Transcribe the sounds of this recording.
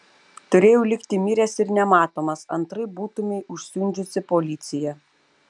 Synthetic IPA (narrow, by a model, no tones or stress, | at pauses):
t̪ʊɾʲeːjɛlʲɪkt̪ʲɪmʲɪɾʲɛsɪɾnʲɛmɑːt̪oːmɐsɐ̰nt̪ɾɐɪbuːt̪ʊmʲɛɪʔʊʃʲsʲʊnʲd͡ʒʲʊsʲɪpolʲɪt̪sʲɪjɛ